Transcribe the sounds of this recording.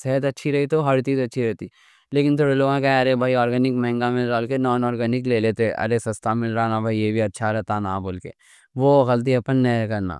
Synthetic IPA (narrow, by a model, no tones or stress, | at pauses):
sɛɦt̪ɐtːʃʰiɾɐɦit̪oɦɐɾt͡ʃiːzɐtːʃʰiɾɛɦt̪i | leːkɪnt̪ʰoːɽeloːɡãkaɐɾebʱaːiɔːɾɡɛːnɪkmɐɦɪ̃ŋɡamɪlɾaːlkenɔːnɔːɾɡɛːnɪkleːleːt̪eeʔɐ̰ɾesɐst̪amɪlɾanabʱaijeːbʱiɐtːʃʰaɾɛɦt̪anaːboːlkḛː | ʋoɣɐlt̪̬iɐpənːɛkɐɾna̰ː